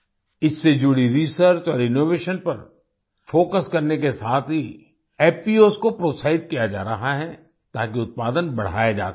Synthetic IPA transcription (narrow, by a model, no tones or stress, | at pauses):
ɪsːed͡ʒʊɽiɾisəɾt͡ʃɔːɾɪnoːʋeːʃənpɐɾ | foːkəskɐɾnekesaːt̪ʰɦi | ɛːpiːoːskopɾoːsaːɪd̪̚kijad͡ʒa̰ːɾɐɦaɦɛ | t̪aːkiʊt̪̚paːd̪ənbɐɽ̤a̰ːjed͡ʒa̰ːs